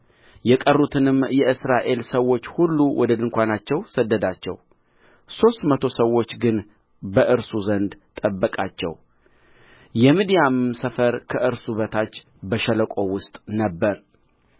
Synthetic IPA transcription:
jɛkʼərːut̪ʰɨnɨmːjɛʔɨsɾaʔe̞lsəwːo̞t͡ʃːhulːuwɔd̪əd̪ɨŋkʷanat͡ʃːɛwsəd̪ːəd̪at͡ʃːɛ̰w | so̞st̪mət̪ʰo̞səwːo̞t͡ʃːɡɨn | bəʔɨɾsuzənd̪t̪ʼəbːəkʼat͡ʃːɛ̰w | jɛmid̪ijamsəfəɾkʰəʔɨɾsuβət̪ʰat͡ʃː | bəʃɛləkʷʼo̞wʊst̪ʼnəbːəɾ

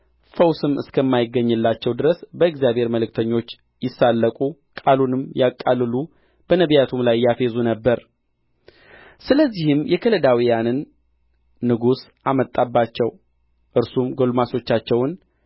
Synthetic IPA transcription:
fəwsɨmɨ̰skʰəmːajɪɡːəɲːɨlːat͡ʃːɛwd̪ɨɾəsbəɨɡzjabhe̞ɾməlɨk̚t̪ʰəɲːo̞t͡ʃː | jɪsːalːəkʼu | kʼalunɨmjakʼːalːɨlu | b̥ənəβjat̪ʰumlajːafezunəbːəɾ | sɨləzːihɨmjɛkʰələd̪awijanɨnː | ɨɡus | ʔamət̪ʼːabːat͡ʃːɛw | ʔɨɾsumɡo̞lmaso̞t͡ʃːat͡ʃːɛwn

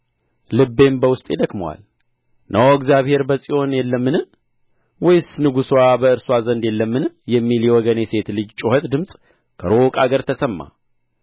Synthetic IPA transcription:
lɨbːe̞mbəwʊst̪ʼjɛd̪əkməwa̰l | nʔəwɡzijaβhe̞ɾbəsʼijo̞njɛlːəmːɨnɨ | wɔjsnɨɡuswabəɨɾswazənd̪jɛlːəmːɨnɨjɛmːiljɛwɔɡənjɛse̞t̪lɨd͡ʒt͡ʃʼoɦət̪ʼd̪ɨmsʼ | kʰəɾo̞kʼaɡəɾt̪ʰəsəmːa̰

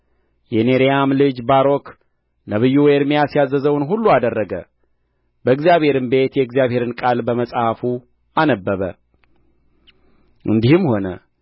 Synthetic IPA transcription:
jɛneɾijamlɨd͡ʒbaɾo̞k | nəβɨjːuwɛɾmijasijazːəzəwnɦulːuad̪ərːəɡə̰ | bəɨɡzjaβhe̞ɾɨmbe̞t̪jɛɨɡzijaβhe̞ɾɨnkʼalbəməsʼhafu | anəbːəβə̰ | ʔɨ̰nd̪ihɨmho̞nə̰

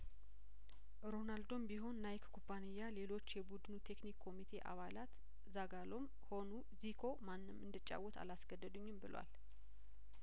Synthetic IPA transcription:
ɾo̞nald̪o̞mbiɦo̞nːajkkʰubanijːale̞lo̞t͡ʃːjɛbud̪nut̪ʰe̞knikʰːo̞mit̪ʰe̞ʔa̰βalat̪ | zaɡalo̞m | ho̞nu | zikʰo̞manːɨmɨnd̪ɨt͡ʃʼːa̰wɔt̪ʰa̰lasɡəd̪ːəd̪uɲːɪmbɨlwa̰l

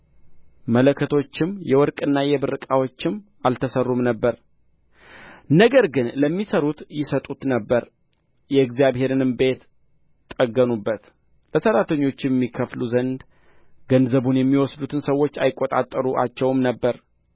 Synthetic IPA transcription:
mələkʰːət̪ʰo̞t͡ʃːɪmjɛwɔɾkʼɨnːajɛbɨrɨkʼawo̞t͡ʃːɪm | alt̪ʰəsərːumnəbːəɾ | nəɡəɾɡɨnləmːisəɾut̪jɪsət̪ʼut̪nəbːəɾ | jɛɨɡzijaβhe̞ɾɨnɨmbe̞t̪ | t̪ʼːəɡːənubːət̪ | ləsəɾat̪ʰəɲːo̞t͡ʃːɛmːikʰəfluzənd̪ | ɡənzəβunjɛmːiwɔsd̪ut̪ʰɨnsəwo̞t͡ʃːajɪkʼːot̪ʼa̰t̪ʼːəɾuʔa̰t͡ʃːɛwmnəbːəɾ

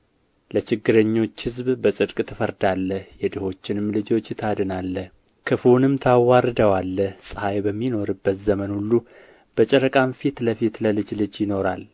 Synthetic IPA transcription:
lət͡ʃɪɡːɨɾəɲːo̞t͡ʃːhɨzbbəsʼɨd̪kʼt̪ʰɨfəɾd̪alːəhjɛd̪əho̞t͡ʃːɪnɨmlɨd͡ʒo̞t͡ʃːt̪ʰad̪ɨnalːəh | kʰɨfunɨmt̪ʰawːaɾd̪əwalːəhsʼəhajbəmːino̞ɾɨbːət̪zəmənhulːu | b̥ət͡ʃʼɛɾəkʼamfit̪ləfit̪ləlɨd͡ʒlɨd͡ʒjɪno̞ɾal

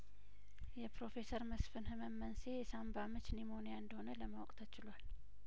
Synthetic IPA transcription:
jɛpɾo̞fe̞səɾməsfɨnhɨməmːənsejɛsambamɨt͡ʃniməonijaɨnd̪əho̞nələmawɔkʼt̪ʰət͡ʃɪlwal

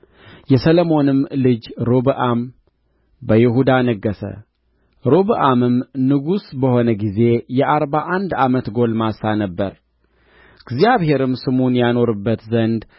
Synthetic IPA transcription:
jɛsələmo̞nɨmlɨd͡ʒɾobəʔam | bəjɛɦud̪anəɡːəsə̰ | ɾoβəʔamɨmnɨɡusbəho̞nəɡize̞jɛʔaɾbaʔand̪amət̪ɡo̞lmasanəbːəɾ | ɨɡzijaβhe̞ɾɨmsɨmunjano̞ɾɨbːət̪zənd̪

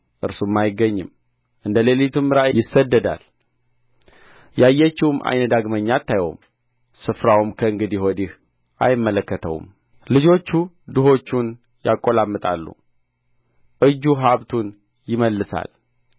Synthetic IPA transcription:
ʔɨɾsumːajɪɡəɲːɪm | ʔɨnd̪əlelit̪ʰumːɨɾajɪsːəd̪ːəd̪a̰l | jajːɛt͡ʃːiwumʔa̰jnəd̪aɡməɲːat̪ːajwo̰m | sɨfɾawumkʰəɨŋɡɨd̪ihod̪ih | ʔa̰jɪmːələkːət̪ʰə̰w̰m | lɨd͡ʒo̞t͡ʃːu | d̪ɨɦo̞t͡ʃːun | ja̰kʼːo̞lamːɨt̪ʼa̰lːṵ | ʔɨd͡ʒːuɦaβt̪ʰun | jɪməlːɨsa̰l

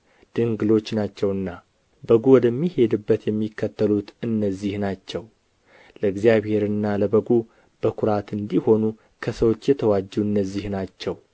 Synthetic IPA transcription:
d̪̥ɨŋɡɨlo̞t͡ʃːnat͡ʃːɛwɨnːa | bəɡuwɔd̪əmːihe̞d̪ɨbːət̪jɛmːikʰːət̪ʰːəlut̪ɨnːəzːihnat͡ʃːɛw | ləɨɡzijaβhe̞ɾɨnːaləbəɡu | b̥əkʰʊɾat̪ɨnd̪iho̞nu | kʰəsəwot͡ʃːjɛt̪ʰəwad͡ʒːuɨnːəzːihnat͡ʃːɛw

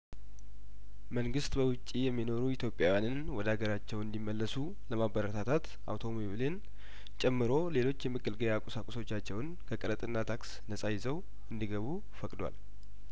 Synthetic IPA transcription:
məŋɡɨst̪bəwʊt͡ʃʼːijɛmːino̞ɾuit̪ʰjo̞pʼːjawjanɨn | wɔd̪aɡəɾat͡ʃːɛwɨnd̪imːəlːəsu | ləmabəɾət̪ʰat̪ʰat̪ | ʔa̰wt̪ʰo̞meβlen | t͡ʃʼɛmːɨɾo̞le̞lo̞t͡ʃːjɛmːɨɡɨlɡəjakʼusakʼuso̞t͡ʃːat͡ʃːɛwn | kʰəkʼəɾət̪ʼɨnːat̪ʰaks | nəsʼajɪzəw | ɨnd̪iɡəβu | fəkʼd̪wa̰l

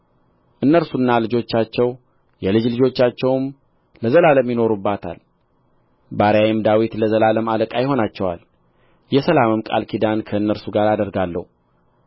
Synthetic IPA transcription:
ʔɨnːəɾsunːalɨd͡ʒo̞t͡ʃːat͡ʃːɛw | jɛlɨd͡ʒlɨd͡ʒo̞t͡ʃːat͡ʃːɛwm | ləzəlaləmjɪno̞ɾubːat̪ʰa̰l | baɾjajɪmd̪awit̪ləzəlaləmaləkʼajɪho̞nat͡ʃːɛwa̰l | jɛsəlamɨmkʼa̰lkʰid̪ankʰəɨnːəɾsuɡaɾad̪əɾɡalːə̰hu

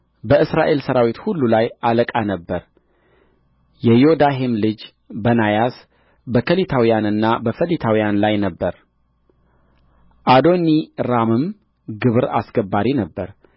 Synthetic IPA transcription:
bəʔɨsɾaʔe̞lsəɾawit̪hulːulajʔaləkʼanəbːəɾ | jɛjod̪aɦemlɨd͡ʒ | bənajas | bəkʰəlit̪ʰawijanɨnːabəfəlit̪ʰawijanlajnəbːəɾ | ʔad̪o̞niɾamɨm | ɡɨβɾa̰sɡəbːaɾinəbːəɾ

